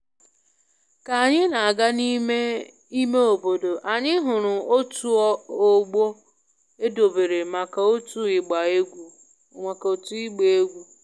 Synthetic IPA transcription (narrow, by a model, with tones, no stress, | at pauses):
ka˨a˨ɲɪ˦na˨a˨ɡa˦ni˦me˦ | i˦me˦o˨bo˨do˨ʔa˨ɲɪ˦ɦʊ˨ɾʊ˨o˦tu˦o˦ɡ͡bo˦ | e˦do˨be˨ɾe˨ma˨ka˨o˦tu˦ɪ˨ɡ͡ba˨e˦ɡʷu˨ | ma˨ka˨o˨tu˦i˦ɡ͡be˨e˦ɡʷu˨